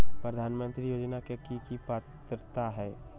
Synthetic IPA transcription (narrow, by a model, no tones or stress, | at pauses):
pɾəd̪ʱaːnmə̃nt̪ɾijoːd͡ʒnakekikipaːt̪ɾt̪aɦɛː